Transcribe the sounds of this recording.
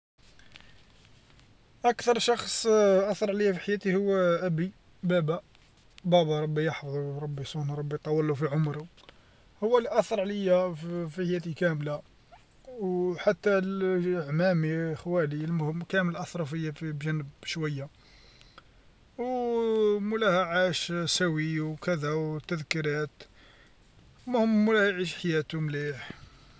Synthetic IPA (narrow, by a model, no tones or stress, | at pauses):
ʔækt̪ɑɾˤʃɑxsˤʔɑθɑɾˤʕləjːafiħajæt̪ihʊwːæʔæbi | bæbæ | bæbɑɾˤɑbːijɑħfðˤuɾˤɑbːisˤunɾˤɑbːijt̪ˤɑwːəlːufiʕomɾu | hʊwːæliʔɑθɑɾˤʕləjːafiħajæt̪ikæmla | wħat̪ːælʕmæmixwælilmʊhəmːkæmlʔɑθɾˤɑfəjːafibʒænːəbʃwæjːa | w | mʊlæhæʕaʃsæwiwkəd̪æwt̪ːəðkiɾæt̪ | mʊhəmːʊlæhjʕiʃħajæt̪umliħ